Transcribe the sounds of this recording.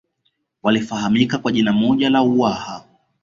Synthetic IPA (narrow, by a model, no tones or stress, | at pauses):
walifaɦamikakwaʄinamɔʄalauwaha